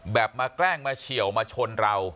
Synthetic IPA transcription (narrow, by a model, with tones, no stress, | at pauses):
bɛː˨˩p̚maː˧klɛː˥˩ŋmaː˧t͡ɕʰi˨˩˦əwmaː˧t͡ɕʰo˧nɾa˧w